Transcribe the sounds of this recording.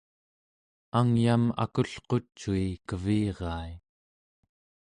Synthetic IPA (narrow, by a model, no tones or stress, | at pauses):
aŋjama̰kuɬqo̞t͡ʃːuikəviːʁɑːi